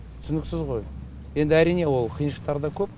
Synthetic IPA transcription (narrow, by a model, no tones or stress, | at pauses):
tt̪ʰʏ̥sɪnɪksɪzʁo̞j | je̞nd̪ɪæɾijne̞wo̞lˠqʰijənʃəq̚t̪ɑɾd̪ɑkʲʰɵp̚